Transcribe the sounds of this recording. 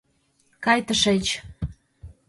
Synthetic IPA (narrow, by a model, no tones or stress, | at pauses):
kɑjt̪əʃet͡ɕ